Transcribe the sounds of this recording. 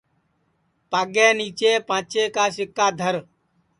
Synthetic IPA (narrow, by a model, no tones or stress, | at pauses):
paːɡɛːniːt͡ʃeːpãːt͡ʃeːkaːsɪkːaːd̪ʱəɾ